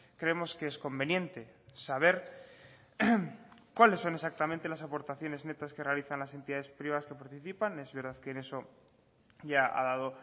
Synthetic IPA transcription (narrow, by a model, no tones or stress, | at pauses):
kɾeemo̞skeesko̞mbe̞njẽ̞nt̪e̞saβ̞e̞ɾ | kwale̞sːo̞ne̞sak̚t̪amẽnt̪e̞lasapo̞ɾt̪aθjo̞ne̞zne̞t̪aske̞realiθanlase̞nt̪iðaðe̞spɾiβaskepaɾt̪iθipane̞zβe̞ɾðaðkene̞so̞ | ʝaa̰ðaðo̞